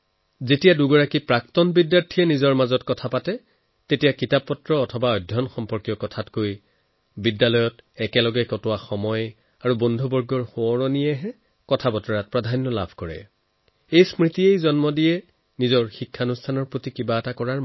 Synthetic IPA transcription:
zetijaduɡɔɹakipɹaktɔnbidːaɹtʰijɛnizɔɹmazɔtkɔtʰapatɛ | tetijakitapːɔtɹɔːtʰɔbaɔjdʱjɔnxɔmpɔɹkijɔkɔtʰatkoj | bidːalɔjɔtɛkɛlɔɡɛkɔtʊwaxɔmɔj | aɹubɔndʱubɔɹɡɔɹxoɔɹɔnijɛɦɛ | kɔtʰabɔtɔɹat̚pɹadʱanjɔla̰bʱkɔɹɛ̰ | ejsmɹitiejzɔnmɔdijɛ | nizɔɹxikʰːanustʰanɔɹpɹotikibaɛtakɔɹaɹ

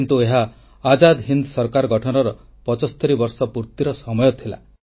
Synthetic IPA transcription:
nt̪ueɦaː | d͡ʒad̪ɦind̪sɔɾkaɾɔɡɔʈʰɔnɔɾɔ | pɔt͡ʃɔst̪ʰɔɾibɔɾsɔpuɾt̪iɾɔsɔmɔjɔt̪ʰila̰

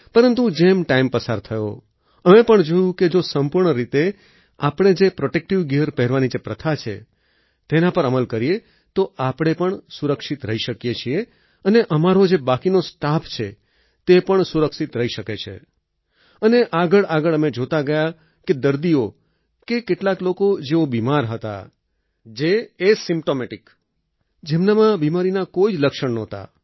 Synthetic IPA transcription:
pəɾənt̪ud͡ʒemʈaimpəsaɾt̪ʰəjo̰ | əmepəɳd͡ʒojũked͡ʒosəmpuɾɳəɾit̪e | apɳ̃ed͡ʒepɾoʈek̚ʈiʋɡiəɾpɛɦɾʋanid͡ʒepɾət̪ʰat͡ʃʰḛ | t̪enapəɾəməlkəɾije | t̪oapɽ̃epəɳsuɾəkʃit̪ɾəiʃəkjet͡ʃʰie | əneʔəmaɾod͡ʒebakinosʈapʰt͡ʃʰe | t̪epəɳsuɾəkʃit̪ɾəiʃəket͡ʃʰḛ | əneʔaɡəɭaɡəɭəmed͡ʒot̪aɡəja | ked̪əɾd̪io | kekeʈlaklokod͡ʒeobimaɾɦət̪a̰ | d͡ʒeːsɪmpʈomeʈik | d͡ʒemnamãbimaɾinakoid͡ʒləkʃəɳnot̪a̰

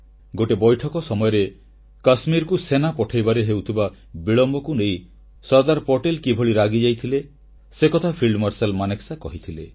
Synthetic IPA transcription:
ɡoʈebɔjʈʰɔkɔsɔmɔjɔɾe | kasmiɾkusenapɔʈʰajbaɾeɦewt̪ʰiba | biɭɔmbɔkunej̃ | sɔɾd̪aɾpɔʈelkibʱoɭiɾaɡid͡ʒajt̪ʰile | sekɔt̪ʰapʰiɭɖmɔɾselmaneksakɔɦit̪ʰilḛ

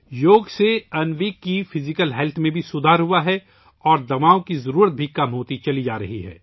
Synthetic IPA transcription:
joːɡseɐnʋiːkːifɪzɪkəlɦɛːlt̪ʰmẽbʱisʊd̪ʱaːɾɦuaɦɛ | ɔːɾd̪ɐmaːõkizɐɾuːɾət̪̚bʱikɐmɦoːt̪it͡ʃɐlid͡ʒaːɾɐɦiɦɛ̰ː

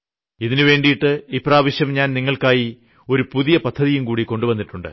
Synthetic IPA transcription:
iðinɨʋe̞ːɳɖijiʈːɨipraːʋɐɕjɐmɲaːnniŋːɐɭkaːji | o̞ɾupuðijɐpɐd̪ʱːɐðijumkuːɽiko̞ɳɖubɐnːiʈːuɳɖɨ̰

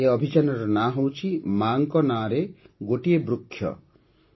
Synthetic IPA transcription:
eɔbʱit͡ʃanɔɾɔnaɦowt͡ʃʰimaŋkɔnaːɾeɡoʈiebɾukʰːjɔ̰

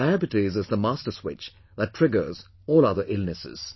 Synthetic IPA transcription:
aæpɨtizɨzðəmastə˞swɪ̰t͡ʃ | ðətʰɹ̥ɪɡə˞z | ɔːlˠʌðə˞ʔɪlˠnɨsɪ̰z̥

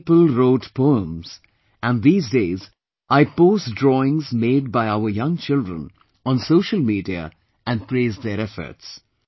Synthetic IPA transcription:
pəlɾoːʈpʰoə̃mz̥ | æ̃nd̪iːzdeːz | ʔaɪpoːsdɾɔɪ̃ŋzmeːd̚baɪaʊəɾjʌ̃ŋt͡ʃɪldɾə̰̃n | ɔ̃nsoːʃəlmiːɖiə̰ | ʔæ̃nɖpɾeːzd̪eɾɛfə̰ɾts

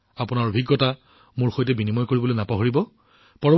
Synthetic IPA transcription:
apʊnaɹobʱiɡːɔta | mʊɹxojtɛbinimɔjkoɹibɔlojnapɔɦɔɹibɔ | pɔɹɔ

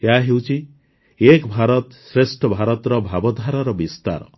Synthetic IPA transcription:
eaɦewt͡ʃʰi | ekbʱaɾɔt̪sɾesʈʰɔbʱaɾɔt̪ɾɔbʱabɔd̪ʱaɾaɾɔbist̪a̰ɾɔ̰

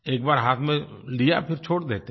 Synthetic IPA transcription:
eːk̚baːɾɦaːt̪ʰmẽlija̰pʰɪɾt͡ʃʰoːɽd̪eːt̪e

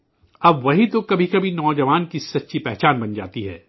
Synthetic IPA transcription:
ɐbʋɐɦit̪okɐbʱikɐbʱinɔːd͡ʒɐʋaːnkisɐtːʃʰipɛɦt͡ʃaːnbɐnd͡ʒa̰ːt̪iɦɛ̰ː

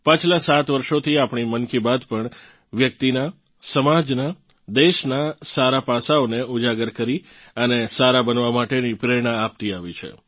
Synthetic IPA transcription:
pãt͡ʃʰlasat̪ʋəɾʃot̪ʰiapɳimənkibad̪pəɳ | ʋjək̚t̪ina | səmad͡ʒna | d̪eʃnasaɾapasaoneud͡ʒaɡəɾkəɾi | ənesaɾabənʋamaʈenipɾeɽ̃aːp̚t̪iaʋit͡ʃʰḛ

